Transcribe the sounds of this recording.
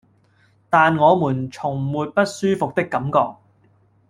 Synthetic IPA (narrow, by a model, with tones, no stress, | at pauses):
t̪aː˨nŋɔː˨˧muː˨˩nt͡sʰʊ˨˩ŋmuː˨t̚pɐ˥t̚syː˥fʊ˨k̚t̪ɪ˥kːɐ˨˥mkɔː˧k̚